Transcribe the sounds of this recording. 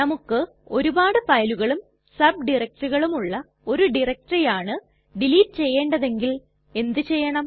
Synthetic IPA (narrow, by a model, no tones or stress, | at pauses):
nɐmukːɨ | o̞ɾubaːɽɨfɐjɐluɣɐɭum | sɐb̚ɖirɐk̚ʈuɣɐɭumuɭːɐ | o̞ɾuɖirɐk̚ʈrɐjaːɳɨ | ɖiliːʈːɨt͡ɕe̞jːeːɳɖɐðe̞ŋɡil | e̞nd̪ɨt͡ɕe̞jːɐɳɐm